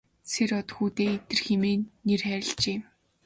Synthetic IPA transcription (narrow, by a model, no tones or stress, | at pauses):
sʰeɾɔt̪xuːt̪eːet̪ɘ̆rxemeːnerχæːɾʲɪ̆ɬt͡ɕeː